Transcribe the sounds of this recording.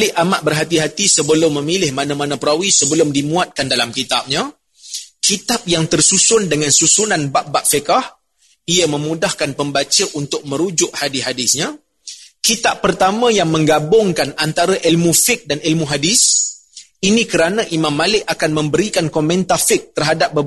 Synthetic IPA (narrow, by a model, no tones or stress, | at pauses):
lɪʔamaʔ̚bərɦat̪iɦat̪isəbəlʊmːə̃milɪhmanamanãpəɾawisəbəlʊmdimuat̪̚kandalamkit̪ap̚ɲa | kit̪ap̚jaŋt̪ərsusʊndəŋansusunanbaʔ̚baʔ̚fəkah | iəmə̃mudahkanpəmbat͡ʃəʔunt̪ʊk̚mə̃ɾud͡ʒʊʔ̚hadiɦadɪsɲã | kit̪apːərt̪amãjaŋmə̃ŋɡabʊŋkanant̪aɾaʔilmufɪk̚danilmuɦadɪs | inikəɾanaʔimamːalɪkʔ̚akanmə̃mbəɾikankomɛnt̪afɪk̚t̪ərɦadap̚bəb